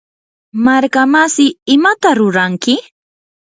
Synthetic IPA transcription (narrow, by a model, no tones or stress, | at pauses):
maɾkamasɪɪmat̪aɾʊɾaŋkɪ